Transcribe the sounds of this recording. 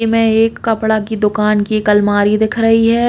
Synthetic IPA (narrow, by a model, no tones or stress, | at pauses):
emɛ̃eːkːɐpɽakid̪ʊkaːnkikɐlmaːɾid̪ɪkʰɾɐɦiɦɛː